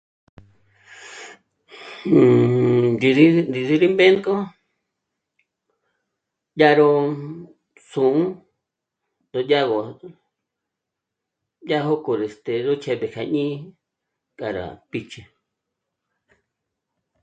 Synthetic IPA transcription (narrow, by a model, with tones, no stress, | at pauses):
di˧ði˦˧nd̪i˧ði˧ɾi˦mbẽ˦ŋko˦ | ja˦ɾo˧ | sũ˨ũ˦ | d̪o˧ja˦ɣo˨ | ja˦ɦo˦ko˧˨ɾe˨st̪e˨ɾo˦t͡ʃʰe˧βe˨kʰa˨ɲĩ˦ | ka˨ɾa̰˨pi˧t͡ʃe˧